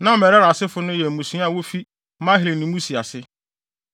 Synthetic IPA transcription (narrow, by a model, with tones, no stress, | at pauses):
nã˦˨mɛ˨ɾɛ˦ɾa˨sɪ˦fʊ˦nʊ̃˦jɛ˨mũ˨sĩ˨˦a˦˨wo˦fi˦ | mã˦ɦɪ˨li˨nɪ̃˨mũ˦si˨a˨sɪ˦